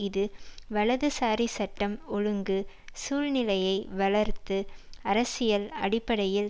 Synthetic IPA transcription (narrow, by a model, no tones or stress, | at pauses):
ɪðɯʋɐɭɐðɯsaːɾisɐʈːɐmɔɻɯŋɡɯ | suːɻnɪlɐjɐɪʋɐɭɐɾt̪ɯɐɾɐsɪjɐlɐ̰ɽɪpːɐɽɐjɪl